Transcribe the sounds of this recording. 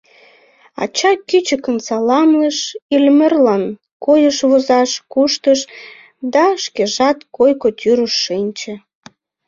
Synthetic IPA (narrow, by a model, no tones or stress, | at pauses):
ɑ̰t͡ɕɑkyt͡ɕəkənsɑlɑmləʃilmərlɑn | kojəʃβozɑʃkuʃt̪əʃ | d̪ɑʃkeʒɑt̪kojkot̪ʲyɾəʃːinʲt͡ɕə̆